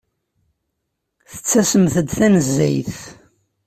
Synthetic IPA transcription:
θə̥t͡sːæsəmθəd̪θænəzːæjθ

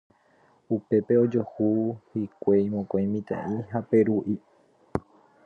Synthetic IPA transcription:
upe̞pe̞od͡ʒo̞huhikʷeĩmõkõj̃mĩt̪ḛ̃ʔĩɦape̞ɾuʔi

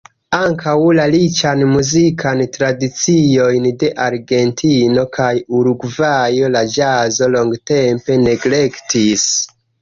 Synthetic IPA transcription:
aŋkawlalit͡ʃanmuzikʰantɾadit͡sio̞jnde̞ʔaɾɡe̞ntʰino̞kajuɾuɡvajo̞lad͡ʒazo̞lo̞ŋɡte̞mpe̞ne̞ɡle̞ktis

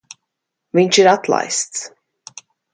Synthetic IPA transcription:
viɲʲt͡ʃiɾat̪lˠa̰jst̪s

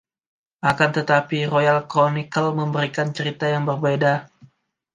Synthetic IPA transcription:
ʔakant̪ət̪apiɾojalkɾonikəlməmbəɾikant͡ʃəɾit̪ajaŋbərbeda

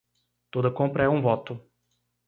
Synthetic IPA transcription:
t̪od̪ɐkõpɾɐɛũvɔt̪ʊ

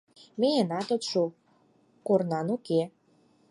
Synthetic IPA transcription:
meenɑt̪ot̪ʃu | kornɑnuke

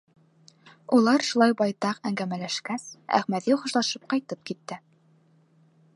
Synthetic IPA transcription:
ulˠɑɾʃulˠɑjbɑjt̪ɑqæŋɡæmælæʃkæsæ̰χmæðiχŏʃlˠɑʃɤp̚qɑjt̪ɤp̚kit̪ːɘ

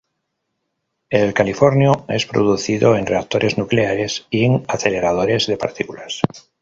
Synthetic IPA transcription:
elkalifoɾnjoe̞spɾo̰ð̞uθiðoe̞nreak̚t̪o̞ɾʔe̞znukleaɾe̞sieŋaθe̞le̞ɾað̞o̞ɾe̞zðe̞pa̰ɾt̪ikulas

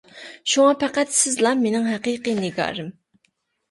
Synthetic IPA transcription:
ʃuŋɑpʰæqæt̪sɪzlˠɑmenɪŋɦæqiqɨnɪɡɑ̰ːɾɨm

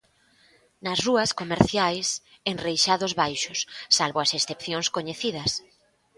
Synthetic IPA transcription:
nɐsruɐskomeɾθjajs | eŋrejʃaðʊzβajʃʊsːalβoɐsesθepθjoŋskoɲeθiðɐs

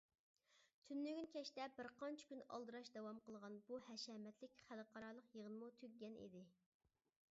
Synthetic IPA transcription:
t̪ʰynːyɡʲynkʲʰɛʃt̪ɛbɪɾqʰɑnt͡ʃʰɪ̥kʲynɑ̰lˠd̪ɨɾɑʃd̪ɛwɑmqəlˠʁɑnbuhɛʃɛmɛt̪lɪkʲχælˠqʰɑɾɑlˠəqjəʁənɨmut̪ʰøkʲɡʲɛnḭd̪ɪ

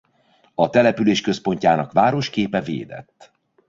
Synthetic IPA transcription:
ɒt̪ɛlɛpyleːʃkø̞spo̞ɲcaːnɒkvaːɾo̞ʃkeːpɛvḛːd̪ɛ̰t̪ː

